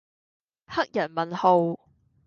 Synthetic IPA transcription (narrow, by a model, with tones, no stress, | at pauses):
hɐ˥k̚jɐ˨˩nmɐ˨nho˨˧w